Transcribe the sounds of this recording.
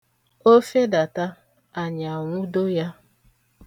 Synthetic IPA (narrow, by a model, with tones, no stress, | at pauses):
o˦fe˦da˨ta˦ | a˨ɲa˨ŋʷʊ˦do˦ja˦